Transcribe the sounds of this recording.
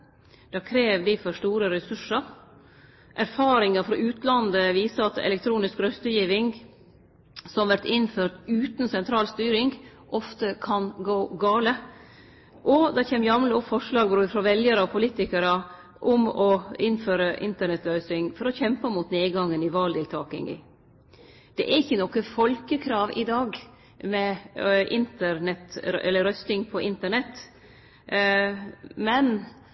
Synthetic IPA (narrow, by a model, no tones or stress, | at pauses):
d̪̥ɑkʰɾeːʋd̪ɪfɔʂt̪uːɾəɾɛsʉʂəɾ | ʔæɾfɑːɾɪŋɑfɾɑʔʉːt̪lɑnd̪əʋiːsəɑt̪ɛ̰lɛk̚t̪ʰɾuːnɪskɾœst̪əjiːʋɪŋ | sɔmʋæɾʈ̪ɪnføːɾʈ̪ʉːt̪nsɛnt̪ʰɾɑːlst̪yːɾɪŋɡ | ʔɔft̪əkʰɑnɡoːɡɑːlə | ʔɔd̪ɑçeːmjɑmləɔfɔʂlɑːɡbɾuːfɾɔʋɛljəɾəɔpʰʊliːt̪ɪkəɾə | ʔʊmɔɪnføːɾəʔɪ̰nt̪əɳɛt̪lœʏsɪŋfɔɾɔçɛmpəmuːt̪neːɡɑŋːənɪʋɑːld̪ɪlt̪ʰɑːkɪ̰ŋɪ̰ | d̪̥ɛʔæɾɪçːənɔkːəfɔlkəkʰɾɑːʋʔɪ̰d̪ɑːɡ | mɛʔɪnt̪əɾɳɛt̪ɾɛ̰lːəɾœst̪ɪŋpʰɔʔɪnt̪əɳɛt̪ː | mɛn